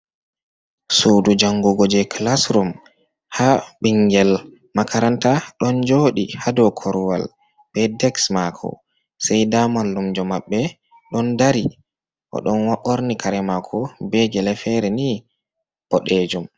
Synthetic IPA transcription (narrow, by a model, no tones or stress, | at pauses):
suːdud͡ʒaŋɡɔɡɔd͡ʒɛkʰlasɾum | haɓiŋɡɛl | makʰaɾantaɗɔnd͡ʒoːɗihadɔkʰɔɾwa̰l | b̥ɛdɛksmakʰɔ̰ | sɛjdamalːumd͡ʒɔmaɓːɛ | ɗɔndaɾi | ʔɔ̰ɗɔnwaʔoɾnikʰaɾɛmakʰɔbɛɡɛlɛfɛɾɛni | b̥ɔɗed͡ʒum